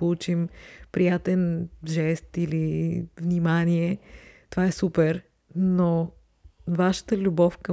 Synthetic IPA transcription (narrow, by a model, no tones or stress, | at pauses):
out͡ʃimpɾijat̪ɛnʒɛst̪ilivnimaniɛt̪ovaɛsupɛɾ | no | vaʃə̥t̪əlʲubɔfkə